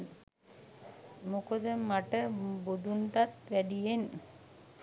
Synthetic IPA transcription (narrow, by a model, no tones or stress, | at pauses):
n | mokod̪əmaʈəbod̪unʈ̪at̪ʋæɖijen